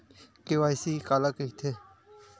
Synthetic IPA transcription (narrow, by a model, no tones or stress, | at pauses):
kɪʋaːjsiːkaːlakəit̪ʰeː